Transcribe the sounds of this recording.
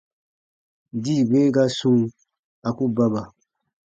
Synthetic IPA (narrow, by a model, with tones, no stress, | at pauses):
diː˦˨be˦ɡa˦sũ˦ | a˨ku˦ba˦ba˨